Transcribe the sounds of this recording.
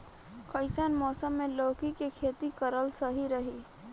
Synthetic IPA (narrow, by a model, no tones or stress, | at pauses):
kəɪsənmɔːsəmːẽloːkikekʰeːt̪ikəɾəlsəɦiɾəɦi